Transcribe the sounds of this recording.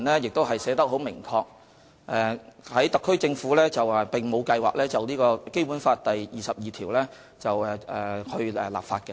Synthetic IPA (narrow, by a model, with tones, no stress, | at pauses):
nlɛː˥jɪ˨k̚t̪o˥wɦɐ˨jsɛː˨˥t̪ɐ˥k̚ɦo˨˥wmɪ˨˩ŋkʰɔː˧k̚ | ʔɛ˨hɐ˨˥jt̪ɐ˨kʰːɵ˥ɥt͡sɪ˧ŋfuː˨˥lɛː˥t͡sɐ˨wɛ˨˩pɪ˨ŋmo˨˧wkɐ˧jwa̰ː˨k̚lɛː˥t͡sɐ˨wniː˥kɔː˧ke˥jpuː˨˥nfaː˧t̚t̪ɐ˨jjiː˨˩sɐ˨p̚jiː˨˩t̪ʰiː˨˩wlɛː˥ | t͡sɐ˨wɛ˨˧ɛː˨hɵ˧ɥɛ˨˧la̰ː˨p̚faː˧t̚kɛ˧